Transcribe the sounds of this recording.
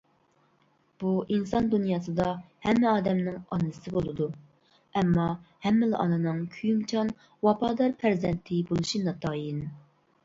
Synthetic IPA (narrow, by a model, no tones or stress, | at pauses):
b̥uʔinsɑnd̪unjɑːsɨd̪ɑ | hɛmːɛɑːd̪ɛmnɪŋɑnːɨsɨbolˠɨd̪u | ɛmːɑhɛmːɪlɪʔɑ̰nɨnɨŋkʲʰyjymt͡ʃʰɑn | wɑpʰɑːd̪ɑɾpʰæɾzɛnt̪ʰɪbolˠuʃinɑt̪ʰɑːjin